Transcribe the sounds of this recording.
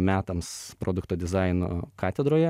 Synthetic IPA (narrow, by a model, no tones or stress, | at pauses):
mʲæːt̪ɐmspɾʔoːd̪ʊkt̪oːd̪ʲɪzɑɪno̰ːkɑːt̪ʲɛd̪ɾoːjɛ